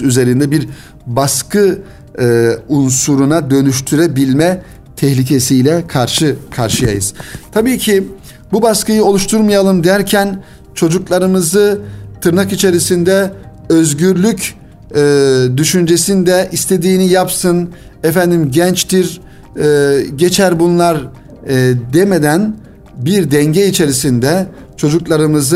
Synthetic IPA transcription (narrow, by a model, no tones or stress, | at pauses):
yze̞ɾind̪ɛbiɾ | baskʰɯ | unsuɾunad̪ø̞nyʃt̪ʰyɾebilʲmɛ | t̪ʰɛçlʲic̬ʰesijlʲɛkʰaɾʃɯkʰaɾʃɯja̰jɯz̥t̪ʰabiːcʰi | bubaskɯjɯo̞lˠuʃt̪ʰuɾmajalˠɯmd̪æɾcʰæn | t͡ʃʰo̞d͡ʒuklˠaɾɯmɯzɯt̪ʰɯɾnakit͡ʃʰe̞ɾisind̪ɛ | øzɟyɾlʲycː | d̪yʃynd͡ʒe̞sind̪ɛʔist̪ʰe̞d̪iːnijapsɯn | ɛfænd̪imɟɛnt͡ʃt̪iɾ | ɟe̞t͡ʃʰæɾbunlˠaɾ | d̪eme̞d̪æn | biɾd̪ɛɲɟɛit͡ʃʰe̞ɾisind̪ɛ | t͡ʃʰo̞d͡ʒuklˠaɾɯmɯzɯ